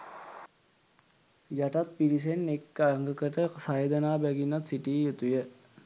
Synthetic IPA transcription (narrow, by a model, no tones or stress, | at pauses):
jɐʈɐt̪̚piɾis̬enːekːaŋɡəkəʈesaed̪ɐnaːbɛɡinɐt̪siʈijet̪uje